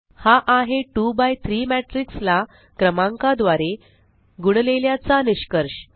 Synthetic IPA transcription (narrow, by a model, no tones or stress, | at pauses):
haʔaɦeʈubajt̪ʰɾiːmæʈɾiksla | kɾəmãŋkad̪ʋaɾe | ɡuɽleljat͡saniɕkəɾɕ